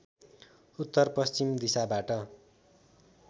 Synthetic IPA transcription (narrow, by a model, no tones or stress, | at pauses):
ut̪ːʌrpʌst͡simd̪isabaʈʌ